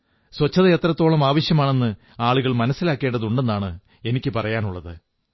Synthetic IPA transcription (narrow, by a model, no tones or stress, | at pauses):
swɐt͡ɕːɐðɐet̪rɐt̪ːo̞ːɭɐmaːʋɐɕjɐmaːɳe̞nːɨ | aːɭuɣɐɭmɐnɐsːilaːkːe̞ːɳɖɐðuɳɖe̞nːaːɳɨ | e̞nikʲːɨpɐrɐjaːnuɭːɐðɨ